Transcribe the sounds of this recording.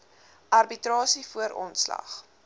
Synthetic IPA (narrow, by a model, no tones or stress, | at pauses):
ʔɐrbitrɑːsifuəɾʔɔ̰nslɐ̰χ